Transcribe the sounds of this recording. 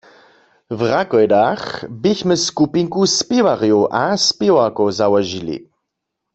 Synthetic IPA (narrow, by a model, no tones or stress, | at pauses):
vʁakɔjdaxbiçmɪskupiŋkuspɪwaʁijuʔaspɪwakowzawɔʒilḭ